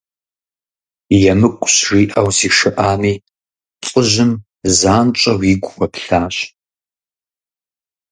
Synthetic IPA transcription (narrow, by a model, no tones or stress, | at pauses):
jɛmɨkʷʼʊɕriːʔɐwziːʂɨʔaːmiː | t͡sʼʊʒɪm | zaːnt͡ʃʼɐwiɡʷxʷɐpɬaːɕ